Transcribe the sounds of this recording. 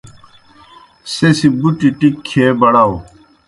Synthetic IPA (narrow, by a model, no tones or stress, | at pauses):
sesibuʈiʈikʰːeːbɐɽao